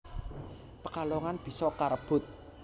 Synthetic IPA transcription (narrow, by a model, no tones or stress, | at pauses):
pəkalɔŋanb̥i̤sɔkaɾəb̥ʊt̪̚